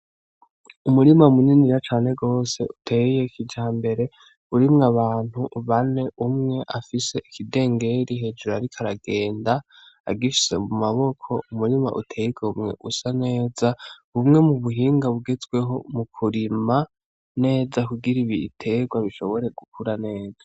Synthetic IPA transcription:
umuɾimaumuniniɾat͡ʃaːne̞ɡo̞ːse̞ʔutʰe̞ijekid͡ʒaːmbe̞ɾe̞ | uɾimŋaβaːn̥huʔβane̞ʔumŋe̞ʔafise̞ʔikʰide̞ːŋɡe̞ɾiɦe̞ːd͡ʒuɾoaɾikʰaɾaɡe̞ːnda̰ː | ɡifi̥se̞̰mumaβo̞kʰo̞̰umuɾima̰ʔutʰe̞ːjikʰeumŋe̞̰ʔusane̞ːzaβumŋe̞muβuɦiːŋɡaβuɡe̞zɡwe̞ɦo̞mukʰuɾima | ne̞ːzakuɡiɾiβitʰe̞ɡwaβiʃo̞βo̞ɾe̞ɡ̥ukʰuɾane̞ːd͡zḁ

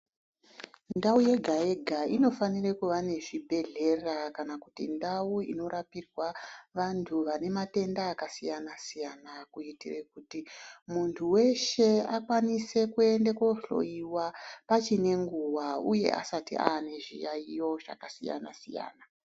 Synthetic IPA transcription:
ndauje̞ɡʱaje̞ɡʱaino̞fanirekuʋane̞ʐibʱe̞ɮe̞rakanakutindauḭno̞ɾapirwaʋantʰuʋane̞mate̞ndaːkasijanasijanakuitirekutimuntʰuwe̞ʃe̞akwanise̞kue̞ndekoɬo̞̰iwapat͡ʃine̞ŋɡuwauje̞̰ʔa̰satḭʔa̰ːne̞ʐḭjaijo̞ʐa̰kasija̰na̰sija̰ːna

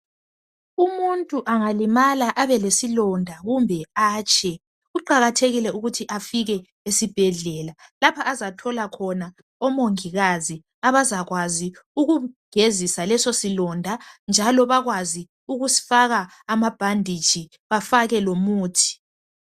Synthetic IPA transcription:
umuntʼuʔaŋalimalaʔaβɛlesilɔndʱaɣumbʱɛaːt͡ʃʼɛ | ɣuǃaɣatʰeɣilɛuɣutʰiʔafiɣɛ | esib̥ʱɛɮɛːlalapʰaʔːzatʰɔlakʰɔna | ɔmoŋiɣazi | aβazaɣwaziuɣuɡ̥ʱezisalɛsosilɔndʱand͡ʒʱalɔβaɣwazi | uɣusi̥faɣaː | mab̥ʱandʱi̥d͡ʒ̥ʱi | βafaɣɛlomuːtʰi̥

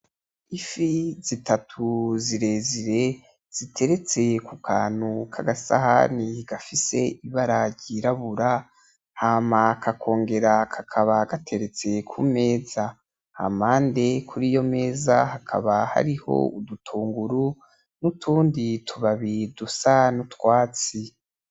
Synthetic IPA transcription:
ifizitatʰuziɾe̞ziɾe̞ | z̥itʰe̞ɾe̞t͡se̞kukʰaːnhukʰa̰ɡasa̰ɦa̰niɡ̥afise̞iβaɾaɾɟiɾaβuɾa | haːmakʰakʰo̞ːŋɡe̞ɾakʰakʰaβaɡatʰe̞ɾe̞t͡se̞kʰṵme̞ːza | ha̰maːnde̞kʰuɾijo̞me̞ːzahakʰa̰βaha̰ɾiho̞̰udutʰuːŋɡuɾu | nutʰuːnditʰuβaβidusanutwaːt͡si

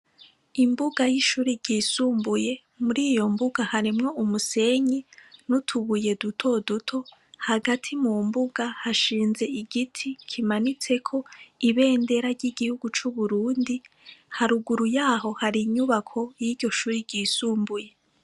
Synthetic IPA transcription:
imbuɡajiʃuːɾiɟiːsuːmbuje̞ | muɾiːjo̞mbuɡahaɾimŋo̞umuse̞ɲinutʰuβuje̞dutʰo̞dutʰo̞haɡatʰimumbuɡ̥ahaʃiːnze̞iɡitʰikʰimanit͡se̞kʰo̞iβe̞ːnde̞ɾaɾɟiɡihuɡut͡ʃuβuɾuːndihaɾuɡuɾujaːɦo̞haɾiɲuβakʰo̞jiːdɟo̞ʃuːɾiɟiːsuːmbuje̞

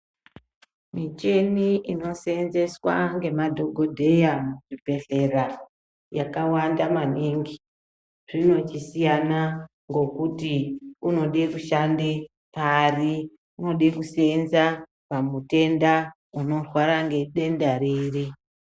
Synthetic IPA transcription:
mit͡ʃe̞niʔino̞se̞nze̞swa̰ŋɡe̞madʱo̞ɡʱo̞dʱe̞jamuʐipe̞ɮe̞ra | jakawandamaniŋɡi | ʐ̥ino̞t͡ʃisijana | ŋɡo̞kutiuno̞ɗekuʃande | pari | uno̞ɗekusenza | pamute̞nda | uno̞rwaɾaŋɡe̞ɗe̞ndaɾere

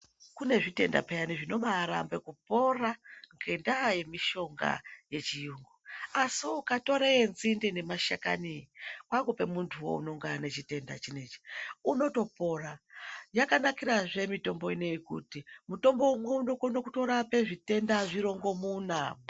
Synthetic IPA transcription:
kune̞ʐite̞nda̰pejaniʐino̞ɓaɾa̰mbe̞kupo̞raŋɡe̞ndaje̞miʃo̞ŋɡa̰je̞t͡ʃijuːŋɡuasiukato̞ɾeenzindine̞maʃaka̰nikwaŋɡope̞muntʰuwo̞̰ṵno̞ŋɡanet͡ʃite̞nda̰t͡ʃine̞t͡ʃi̥uno̞to̞po̞rajakanakiɾaʐe̞mito̞mbo̞ine̞jekṵtimuto̞mbo̞umweunokonokutoɾape̞ʐite̞ndaʐiɾo̞ŋɡo̞munamo

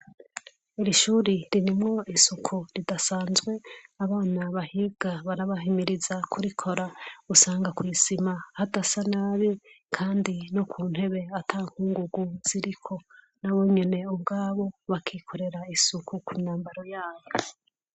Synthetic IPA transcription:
iɾiʃuːɾiɾiɾimŋo̞ʔisukʰuɾidasaːnzɡwe̞aβaːnaβahiɡ̥aβaɾaβaɦimiɾizakʰuɾikʰo̞ɾausaːŋɡakwiːzimahatasanaːβi | kʰaːndinokʰuːn̥he̞βe̞atʰaŋ̥huːŋɡuɡuz̥iɾikʰo̞ | naβo̞ɲene̞ub̚ɡaːβo̞βakʰiːkʰo̞ɾe̞ɾaisukʰukʰuɲaːmbaɾo̞jaːβo

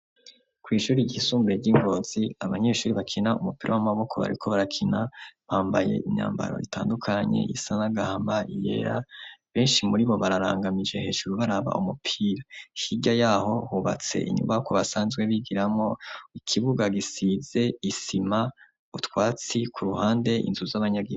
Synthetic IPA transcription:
kwiːʃuːɾiɟihisuːmbuɾeɟiŋɡo̞ːz̥iaβaɲe̞ʃuːɾiβakʰinaumupiɾawamaβo̞kʰo̞βa̰ɾikʰo̞βaɾakʰinaβaːmbaje̞̰ʔiɲa̰ːmba̰ɾo̞̰itʰa̰ːndukʰaɲe̞̰ḭsanaɡahaːmbaaʔije̞̰ɾaβe̞ːnʃimuɾiβo̞βaɾaɾa̰ːŋɡamid͡ʒe̞he̞ʃuɾuβaɾaβa̰ʔumupʰiɾahiɟajaːho̞huːβa̰t͡se̞̰ʔḭɲṵmbajokoβasaːnzɡwe̞βiɡiɾamŋo̞ikʰiβuɡaɡisize̞isima | utwaːt͡sikʰuɾuhaːnde̞ʔḭnzuzaβaɲaɡi

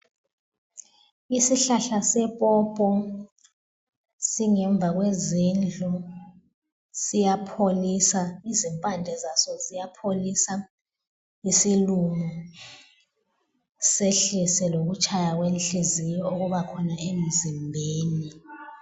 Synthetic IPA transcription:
isiɬaɬasɛpʼɔpʼɔ | siŋɛɱb̪vʱaɣ̬wezind͡ɮʱɔ | sijapʰolisaizimpʼandʱɛzasɔzijapʰolisa | isilumɔ | seɬisɛlok̬ut͡ʃʰajak̬wenɬizijɔuk̬uɓakʰɔnaemizimbʱeːni

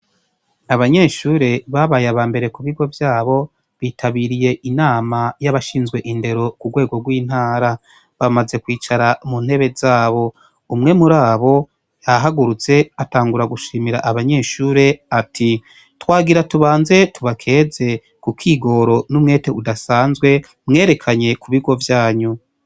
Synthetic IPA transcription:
naβaɲe̞ːʃuːɾe̞βaβajaβaːmbe̞ɾe̞kuβiɡwo̞vjaːβo̞ | βiːtʰaβiɾije̞ʔinaːmajaβaʃiːnzɡwe̞ʔinde̞ɾo̞kuɡwe̞ːɡo̞ɡwiːn̥haːɾa | βamaze̞kwiːt͡ʃaɾamunhe̞βe̞zaːβo̞ | umŋe̞muɾaːβo̞ | jaɦaɡuɾut͡se̞ataːŋɡuɾaɡuʃiːmiɾa̰ʔaβaɲe̞ːʃuːɾe̞atʰi | twaːɡiɾatuβaːnze̞tuβakʰe̞ːze̞ | kukʰiːɡo̞ɾo̞numŋe̞ːte̞udasaːnzɡwe̞ | mŋe̞ːɾe̞kʰaɲe̞kuβiɡwo̞vjaːɲu

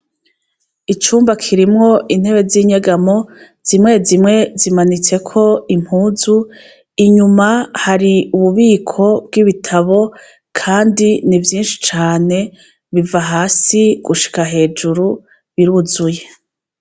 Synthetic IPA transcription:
it͡ʃuːmbakʰiɾimŋo̞ʔin̥he̞βe̞ziɲeɡamo̞ | z̥imŋe̞zimŋe̞zimanit͡se̞kʰo̞im̥huːzu | iɲumahaɾiuβuβiːkʰo̞b̚ɡiβitʰaβo̞ | kʰaːndinivjiːnʃi̥t͡ʃaːne̞ | βivaɦaːsiɡ̥uʃi̥kaɦe̞ːd͡ʒuɾu | βiɾuzuje̞

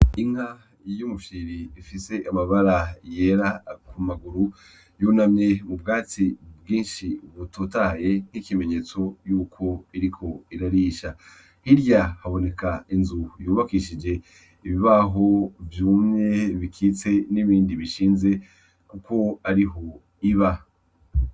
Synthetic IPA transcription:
iŋ̥ha | jumuʃiɾiifise̞ʔamaβaɾajeɾakʰumaɡuɾu | juːnamɲemubɡaːt͡sibɡiːnʃiβutʰotaje̞n̥ikime̞ɲe̞ːt͡so̞juːkʰo̞iɾikʰo̞iɾaɾiʃa | hiɾjahaβo̞ne̞kainzujuːβakiʃid͡ʒe̞ | iβiβaɦo̞vjuːmɲe̞βikʰiːt͡se̞niβiːndiβiʃiːnze̞ | kuko̞aɾiɦo̞ | iβa

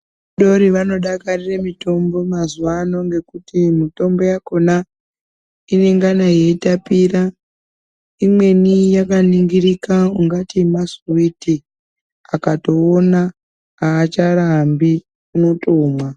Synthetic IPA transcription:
uɗo̞ɾiʋano̞ɗakariremito̞mbo̞mazuʋano̞ŋɡe̞kutimito̞mbo̞jako̞na | ine̞ŋɡanaje̞itapira | imwe̞nijakaniŋɡiɾikauŋɡatimasuwiti | akato̞ːnaː | t͡ʃaɾambi | uno̞tʰo̞ːmwa

